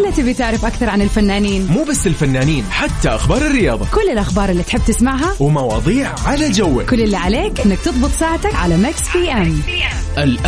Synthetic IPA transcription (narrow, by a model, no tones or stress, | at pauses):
lːat̪ɪbit̪ɪʕɾɪfʔakθɑɾˤʕanɪlfanːaːniːnmuːbasːɪlfanːaːniːnħat̪ːaʔaxbɑːɾˤɪrːɪjɑːðˤɑkʊlːɪlʔaxbɑːɾˤɪlːiːt̪ħɪb̚ːt̪ɪsmaʕɦawmɑwɑ̰ːðˤiːʕʕalad͡ʒawːɪkʊlːɪlːiʕaleːkʔɪnːak̚t̪ɨðˤbɨt̪ˤsaːʕt̪akʕalamaksfiːʔɪm | ʔɪlʔ